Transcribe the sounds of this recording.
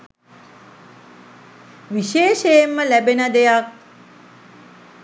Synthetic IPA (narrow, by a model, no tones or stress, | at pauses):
ʋiʃeːʃejemːəlæbenəd̪ejak̚